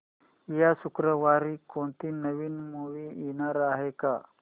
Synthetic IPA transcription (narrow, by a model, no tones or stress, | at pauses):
jasukɾəʋaɾiːkont̪iːnəʋiːnmuʋiinaɾaɦeka